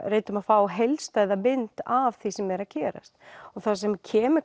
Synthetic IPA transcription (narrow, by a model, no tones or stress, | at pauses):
reːjt̪ʏmaðfaːwɦejlst̪aːjðamɪnt̪av̥θisɛmːɛɾaðcʰɛːɾa̰st̪̚ɔɣθaðsɛmcʰɛːmʏ